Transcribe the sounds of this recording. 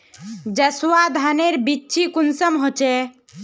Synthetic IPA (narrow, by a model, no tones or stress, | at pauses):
d͡ʒəswad̪ʱaneɾbiːt͡ʃʰikunsəmɦot͡ʃɛ